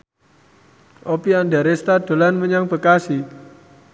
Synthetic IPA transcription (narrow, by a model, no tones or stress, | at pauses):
ʔopiandaɾest̪ad̪̥o̤lanməɲaŋb̥ə̤kasi